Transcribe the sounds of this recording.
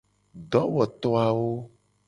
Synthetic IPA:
ɖɔ˨˦wɔ˨t̪ɔ˦a˨wo˦

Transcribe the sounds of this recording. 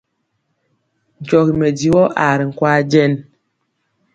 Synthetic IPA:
n̩˨t͡ʃɔ˨ɣi˨me˨di˨wɔ˦ʔa˨ɾi˨ŋ̩˨kwa˦d͡ʒɛ˦n

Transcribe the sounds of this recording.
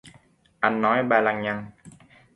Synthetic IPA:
ʔa˧jnːɔ˨˦jɓaː˧˩la˧˩ŋɲa˧˩ŋ

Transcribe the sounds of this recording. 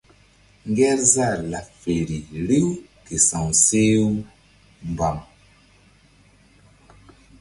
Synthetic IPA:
ŋɡɛ˦ɾza˦˨ɾla˨fe˨ɾi˨ɾi˦w | ke˨sa˨ŋse˦w | m˨ba˨m

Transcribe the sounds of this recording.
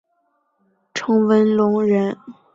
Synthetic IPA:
ʈ͡ʂʰɤ˧˥ŋwə˧˥nlʊ˧˥ŋɻə˧˥n

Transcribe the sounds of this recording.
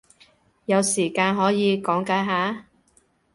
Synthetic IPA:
jɐ˨˧wsiː˨˩kaː˧nɦɔː˨˥jiː˨˧kɔː˨˥ŋkaː˨˥ɦaː˨˥

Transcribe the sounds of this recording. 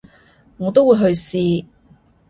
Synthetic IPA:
ŋɔː˨˧t̪o˥wuː˨˧jɦɵ˧ɥsiː˧

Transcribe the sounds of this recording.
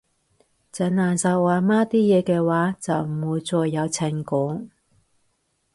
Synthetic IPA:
t͡sɐ˨˥nlaː˨˩nsɐ˨˧wwaː˨maː˥t̪iː˥jɛː˨˧kɛː˧waː˨˥t͡sɐ˨w̩˨˩uː˨˧jt͡sɔː˧jːɐ˨˧wt͡sʰɛ˨˩ŋkʊː˨˥ŋ

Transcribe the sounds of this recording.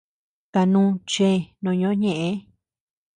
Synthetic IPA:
t̪a˧nũː˦t͡ʃe˦˨nõ˧ɲõ˧˦ɲẽ˧˨ʔẽ˧˦

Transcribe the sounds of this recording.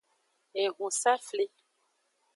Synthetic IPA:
e˨ɣũ˨sa˦fle˦

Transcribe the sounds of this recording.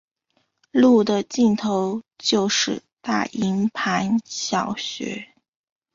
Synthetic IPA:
lu˥˩d̪ə˨˩t͡ɕi˥˩nt̪ʰo˧˥ʊt͡ɕjo˥˧ʊʂɻ̩˥˧ | t̪a̰˥˩ʔi˧˥ŋpʰa˧˥nɕjɑ˨˩ʊɕɥɛ̰˧˥

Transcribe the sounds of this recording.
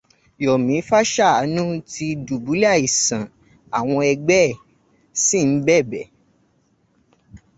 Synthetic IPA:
jɔ˨mĩ˨˦fa˦ʃa˦˨a˨˦nũ˦ti˧du˨bu˨˦la˦˨i˨sã˨ | a˨w̃ɔ̃˧ɛ˧ɡ͡bɛ˦˨ | si˦˨n̩˨˦bɛ˦˨bɛ˨

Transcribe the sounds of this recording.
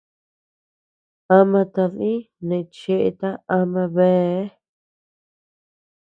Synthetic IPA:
a˧mã˧t̪a˧ðĩ˦ | nẽ˨˧t͡ʃe˧ʔḛ˧t̪a˦a˧mã˧βe˦

